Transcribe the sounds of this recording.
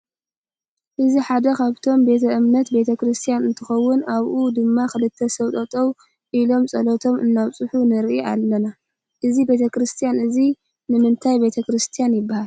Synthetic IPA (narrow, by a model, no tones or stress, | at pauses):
ʔɨziħad̪ɐkʰaβt̪ʰo̞mbe̞t̪ʰɐʔɨmnɐt̪be̞t̪ʰɐkɾɨst̪ʰijanɨnt̪ʰɨxɐwːʊnaβʔud̪ɨmːaxɨlɨt̪ʰːɐsɐwt̪ʼɐt̪ʼow | ʔilo̞msʼɐlot̪ʰo̞mʔɨnːaβt͡sʼɨħunɨɾʔiʔalːɐna | ʔɨzibe̞t̪ʰɐkɾɨst̪ʰijanɨzi | nɨmɨnt̪ʰajbe̞t̪ʰɐkɾɨst̪ʰijanjɪbːahal